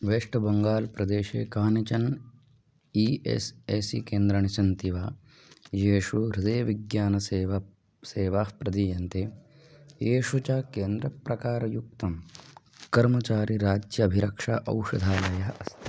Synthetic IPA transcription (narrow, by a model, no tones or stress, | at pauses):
ʋeːʂʈɐbɐŋɡaːlpɾɐd̪eːʃḛːkaːnit͡ʃɐn | iːḛseːsḭkeːnd̪ɾɐɳisɐnt̪iʋaː | jeːʂuɾid̪eːʋiɡjaːnɐsʋ | seːʋapɾɐd̪ijɐnt̪e | jeːʂut͡ʃakeːnd̪ɾɐpɾɐkaːɾɐjuk̚t̪ɐm | kɐɾmɐt͡ʃaːɾiɾaːd͡ʒjɐːbʱiɾɐkʂaʔɐ̰wʂɐd̪ʱaːlɐjɐɐst̪ʰi